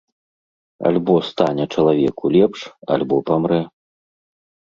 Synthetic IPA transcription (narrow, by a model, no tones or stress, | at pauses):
a̰lʲbɔst̪anʲɛt͡ʂɐlˠavʲɛkulʲɛpʂa̰lʲbɔpamɾɛ